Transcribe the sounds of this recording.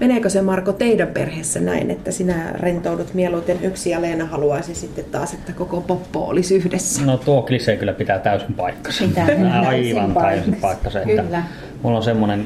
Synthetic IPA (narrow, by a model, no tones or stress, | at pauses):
meneˑkøsemɑrkot̪eidæmpḛrheːsːænæ̰inḛt̪ːæsinærent̪oudut̪mieluit̪enyksijæleːnɑhɑluɑisisit̪ːet̪tɑ̰ːset̪ːækokopopːo̰ʔo̰lisyhdesːæ̥not̪uoklisekylːæpit̪æt̪æˑysimpɑˑikːɑ̥senɑiʋɑnp̪æˑisimpɑˑikːɑseʔet̪ːæ | mulːonsemːonen